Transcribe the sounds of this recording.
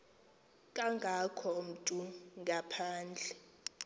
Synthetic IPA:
kʼaŋɡʱakʰɔm̩tʼuŋɡʱapʰaːnd͡ɮʱɛ

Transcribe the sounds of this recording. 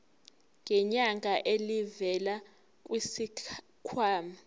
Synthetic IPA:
ŋɡʱɛɲaŋʱaʔelivɛla | k̬ʼwisi | kʰwaːma

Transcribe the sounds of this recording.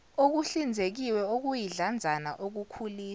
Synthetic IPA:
ok̬uɬind͡zʱek̬iwɛok̬ujiɮand͡zʱanaʔok̬ukʰuliː

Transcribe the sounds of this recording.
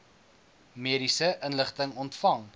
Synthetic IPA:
miəɾisəʔənləχtəŋɔntfɐŋ

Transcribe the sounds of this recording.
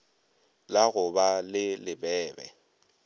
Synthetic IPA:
laɣʊbalɪlɪbɛːbɛ̰

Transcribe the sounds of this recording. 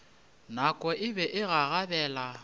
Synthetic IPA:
nakʼɔʔɪbɛʔɪɣaɣabɛːla

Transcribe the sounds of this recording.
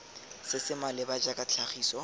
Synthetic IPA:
sɪsɪmalɪbad͡ʒakʼat͡ɬʰaχiːsɔ

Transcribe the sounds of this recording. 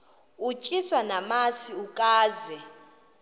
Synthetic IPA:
ut͡ʃʼiswanamasiukʼaːzɛ

